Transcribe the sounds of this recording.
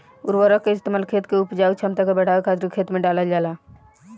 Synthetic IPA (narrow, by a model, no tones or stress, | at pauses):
ʊɾwəɾəkːeɪst̪emaːlkʰeːt̪keupd͡ʒaːut͡ʃʰəmt̪akebəɽ̤aːwekʰaːt̪ɾkʰeːt̪mẽɖaːləd͡ʒaːla